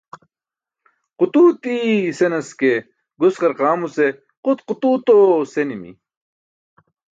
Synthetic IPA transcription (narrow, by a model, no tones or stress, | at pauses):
qut̪uːt̪isenɐske | ɡusqɐɾqaːmuse | qut̪qut̪uːt̪osenimḭ